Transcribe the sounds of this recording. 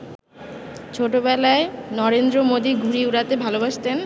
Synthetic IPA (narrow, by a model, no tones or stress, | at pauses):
t͡ɕʰoʈobɛlaenɔɾend̪ɾomod̪iɡʱuɾiuɾat̪ebʱalobaʃt̪en